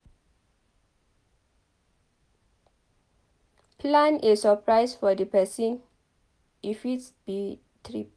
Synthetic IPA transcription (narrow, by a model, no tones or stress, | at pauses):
pʰlãnisːəpʰɹaɪsfɔdəpɛsĩn | ifitb̥i | tʰɹip